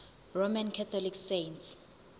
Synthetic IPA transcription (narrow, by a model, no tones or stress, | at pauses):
romankʰat̪ʰɔliksejnts